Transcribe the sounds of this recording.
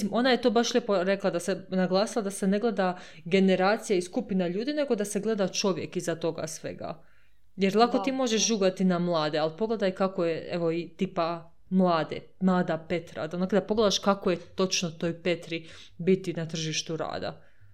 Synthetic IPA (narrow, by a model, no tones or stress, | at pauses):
imʔo̞najet̪o̞ːbaʃʎʲepo̞ɾe̞klˠad̪asenaɡlˠaːsilˠad̪ase̞ne̞ɡle̞d̪a | ɡe̞ne̞ɾaːt̪sijaiskupinaʎuːd̪ine̞ɡo̞d̪aseɡle̞d̪at͡ʃo̞ʋje̞kizat̪o̞ɡa̰sʋe̞̰ɡa̰ | jeɾlˠako̞t̪iːmo̞ʒeʃʒuːɡat̪inamlˠaːd̪ealˠpo̞ɡle̞d̪ajkakojeeʋo̞it̪iːpa | mlˠaːd̪ḛ | mlˠaːd̪ape̞t̪ɾa̰d̪onakd̪apo̞ɡle̞d̪aʃkakojet̪o̞t͡ʃnot̪o̞ːjpe̞t̪ɾi | bit̪inat̪r̩ʒiʃt̪uɾa̰ːd̪a̰